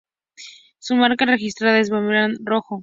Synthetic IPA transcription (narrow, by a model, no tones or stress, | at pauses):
sumaɾkare̞xist̪ɾaðaezβamilanroxo